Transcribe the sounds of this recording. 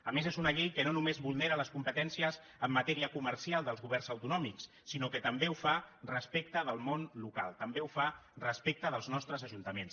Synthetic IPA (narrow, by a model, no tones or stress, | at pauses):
əmezezunəʎejkənonumezβulˠneɾələskumpət̪ɛnsiəz | əmːət̪ɛɾiəkumərsialˠd̪əlˠzɣuβɛrnzəwt̪unɔmiksːinokət̪əmbeufarəspek̚t̪əðəlˠmonluka̰lˠt̪əmbeufarəspek̚t̪əðəlˠznɔst̪ɾəzəʒunt̪əmens